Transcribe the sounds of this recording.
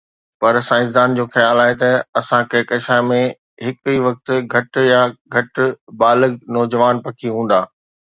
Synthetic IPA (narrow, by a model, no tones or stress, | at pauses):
pɐɾsãːɪ̃s̬d̪aːnd͡ʑoːxɐjaːlaːɦet̪ɐɐsãkɐɦɪkɐʃaːmẽ | ɦɪkiʋɐk̚t̪̆ɡʱɐʈjaɡʱɐʈbaːləɡnɔːd͡ʑəʋaːnpɐkʰiɦũːn̆d̪aː